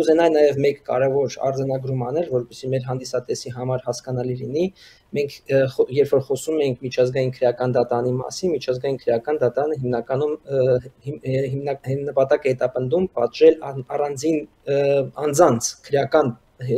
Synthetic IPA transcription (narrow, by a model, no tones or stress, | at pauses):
uzɛnɑjnɑjɛvmɛkːɑ̰ɾɛvɔɾɑ̰ɾd͡zɑnɑɡɾumɑnɛlvɔɾpɛsimɛɾɦɑnd̪isɑt̪ɛsiɦɑmɑɾhɑskɑnɑlilini | mɛŋkʰɔjɛɾpfɔɾχɔsumɛjiŋkʰmit͡ʃʰɑzɡɑjinkʰəɾjɑkɑnd̪ɑt̪ɑɾɑnimɑ̰sinmit͡ʃʰɑzɡɑjinkʰəɾjɑkɑnd̪ɑt̪ɑɾɑnəɦimnɑkɑnumhɦimɑnəpɑt̪ɑkəhɛt̪ɑpən̪d̪umpɑ̰t̪ʒɛlɑrɑnd͡zin | ɑnd͡zɑnt͡sʰkʰəɾjɑkɑn